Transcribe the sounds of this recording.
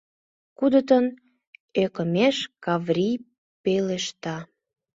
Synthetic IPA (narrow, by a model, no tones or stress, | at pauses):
kud̪ət̪ən | økəmeʃkɑvrʲi | peleʃt̪ɑ